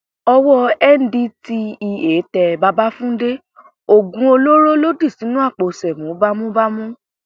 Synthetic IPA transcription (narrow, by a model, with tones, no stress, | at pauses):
ɔ˧wɔ˦ɛ˦˨n̩˦di˧ti˧i˧eː˨˦tɛ˨ba˧ba˦fũ˦de˦ | o˦˨ɡũ˧o˧lo˦ɾo˦lo˦di˦˨si˨˦nũ˦a˦˨k͡po˨sɛ˨mũ˨˦ba˦mũ˦ba˦mũ˦